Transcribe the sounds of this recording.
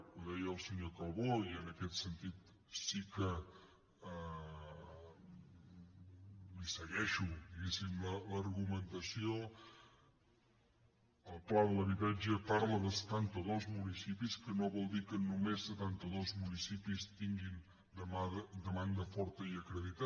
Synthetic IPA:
uðɛjəːlˠsəɲokəlˠβoiənəkɛt̪sənt̪it̪ | sikə | ə | lisəɣɛʃud̪iɣɛsimlələɾɣumənt̪əsio | əlˠplaðələβiβɛd͡ʒəpaɾləðəsə̥t̪ant̪əðozmunisipiskənoβɔlˠd̪ikənumesːət̪ant̪əðozmunisipist̪iŋɡin | d̪əmaðəd̪əmand̪əfɔɾt̪əiəkɾəðit̪a

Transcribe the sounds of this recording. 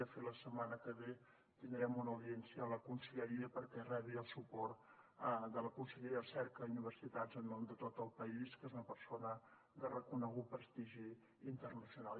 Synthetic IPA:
əfeləsəmanəkəβe | t̪ind̪ɾɛmunəwðiɛnsiəːləkunsəʎəɾiəpəɾkɛrɛβiəlˠsupɔrt̪d̪ələkunsəʎɾiəsɛɾkəuniβ̞ərsit̪azənːond̪ət̪ot̪əlˠpəiskezunəpəɾsonə | d̪ərəkunəɣupɾəst̪iʒiː | nt̪ərnəsiunalˠ

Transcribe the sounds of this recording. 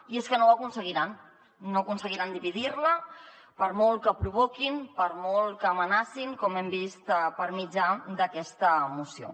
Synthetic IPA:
ieskənowəkunsəɣ̞iɾanː | oəkunsəɣiɾand̪iβiðirlə | pəɾmɔlˠkəpɾuβokinpəɾmɔlˠkəːmənasiŋkɔmɛmbist̪pəɾmid͡ʒad̪əkɛst̪əmusijo̰

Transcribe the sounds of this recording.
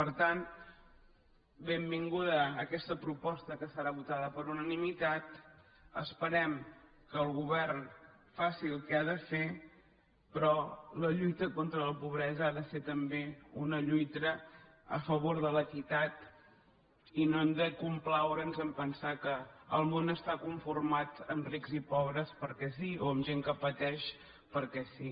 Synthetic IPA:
pəɾt̪an | bembiŋɡuðəːkɛst̪əpɾupɔst̪əkəsəɾaβut̪aðəpəɾunənimit̪at̪ | ə̰spəɾɛm | kəːlˠɣuβɛrn | fasiəlˠkɛaðəfe | pɾɔləʎujt̪əkont̪ɾələpuβ̞ɾɛzəaðəfet̪əmbeunəʎujt̪ə | ə̰fəβoɾðələkit̪at̪ | inoɛmd̪əkumplawɾənzəmpənsakəəlˠmonəst̪akuɱfurmat̪əmriɡzipɔβ̞ɾəspəɾkɛsioəmʒeŋkəpət̪ɛʃ | pəɾkɛsi

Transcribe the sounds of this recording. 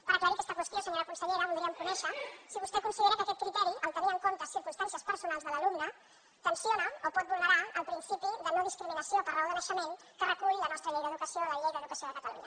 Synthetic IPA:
pəɾəkləβɾikɛst̪əkwəst̪josəɲoɾəkunsəʎeɾəβulˠd̪ɾiəmkunɛʃəsiβust̪ɛkunsiðeɾəkəːkɛt̪̚kɾit̪ɛɾiʔəlt̪əniɾəŋkont̪əsiɾkunst̪ansiəspəɾsunalˠzðələlumnə | t̪ənsionəopɔt̪̚buləɾaəlˠpɾinsipiðənoðiskɾiminəsiopəɾolˠðənəʃəmeŋ | kərəkujilənɔst̪ɾəʎejðəːðukəsioləʎejðəːðukəsioðəkət̪əlṵɲə

